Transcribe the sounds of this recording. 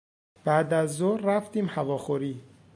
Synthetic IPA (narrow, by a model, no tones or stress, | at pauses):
b̥æʔd̪æzːoɾɾæft̪iːmhævɒːxoɾiː